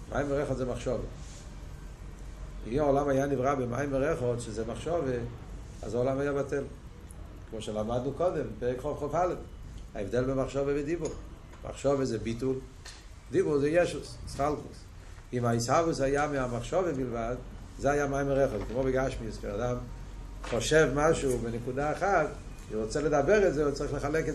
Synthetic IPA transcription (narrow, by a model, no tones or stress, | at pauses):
mʔa̰jmɛʁɛχɔdzɛmaχʃɔvə | iaʊlamajanivʁabɪma̰jmɛʁɛχɔdʃɪzɛmaχʃɔvə | a̰zaɔlamajabatɛlˠ | kɪmoʃəlˠamadnukɔdɛmpɛʁɪkχɔvχɔvhalˠɛfa̰ɛvdɛlˠbɪmaχʃɔvəvɪdibuʁ | mʔa̰χʃɔvəzɛbitulˠ | dibuʁzɛjɛʃʊsɪsχalˠkʊs | imaishavʊsajamɪamaχʃɔvəbɪlˠvadzeajamajməʁɛχɔzɡɪmobɪɡaʃmiskɛnadam | χɔʃɛvmaʃubɪnɪkudaːχat | vivɔt͡sɛlədabɛʁɛzɛvɔt͡sʁiχləχalɛkɛ